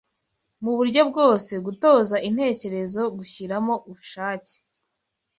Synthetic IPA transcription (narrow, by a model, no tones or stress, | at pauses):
muβuɾɟo̞b̚ɡo̞ːse̞ɡuto̞ːzaʔin̥he̞ːce̞ɾe̞zo̞ɡuçiɾamo̞ʔuβuʃaːce̥